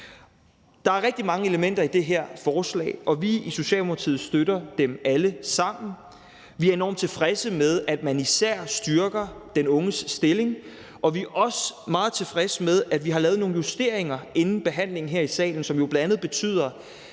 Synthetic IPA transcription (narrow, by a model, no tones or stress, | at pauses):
d̥ɑ̈æɐʁɛɡ̥̚d̥imɑ̈ŋəeləmen̰d̥ɐid̥e̝ɦæɐ̰fɒːslɛ̰ːɪʔɒ̽ʋiiso̝ɕɛ̰ːlmo̥ɑt͡sʰḭːð̩ˠsd̥øɾɐd̥emæləsɑ̈m̰n̩ | ʋiæɐe̝nɒ̰ːmt͡sʰe̝fʁɛsəmeð̞ˠæd̥mænisæɐ̰sd̥yɐɡ̥ɐd̥enɔ̽ŋəsːd̥e̝le̝ŋ | ʔɒ̽ʋiæɐʔɒ̽smɑ̈ːð̞̩ˠt͡sʰe̝fʁɛsmeðˠæd̥ʋiɦɑ̈lɛːð̞̩ˠno̝ːŋn̩jusd̥e̝ɐ̰e̝ŋɐe̝nn̩b̥e̝ɦæn̰le̝ŋn̩ɦeɐ̰isɛ̰ːln̩sɒ̽mjo̝b̥lænd̥ænð̩ˠb̥e̝t͡sʰy̰ːð̞̰ˠɐ